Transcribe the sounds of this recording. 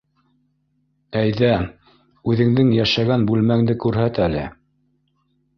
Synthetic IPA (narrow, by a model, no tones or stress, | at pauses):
æjðæ | ʉðɘ̆ŋd̪ɘŋjæʃæɡænbʉlmæŋd̪ɘkʉɾɦæt̪ælɘ̰